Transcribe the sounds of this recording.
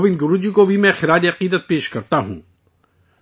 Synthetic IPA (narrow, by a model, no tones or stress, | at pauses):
bɪnɡʊɾuːd͡ʒikobʱimɛ̃xɪɾaːɾiɐqiːd̪ət̪̚peːʃkɐɾt̪aɦṵ̃ː